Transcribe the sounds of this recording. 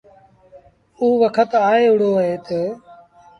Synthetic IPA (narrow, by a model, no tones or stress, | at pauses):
uːʋəkʰət̪aːeːʊɽoːəɦeːt̪eː